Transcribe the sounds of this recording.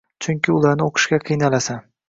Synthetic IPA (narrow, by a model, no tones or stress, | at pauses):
t͡ʃʰʊŋʲkʲɪʊlaɾnɪoqʰɨ̥ʃkʲaqʰɨjnalasa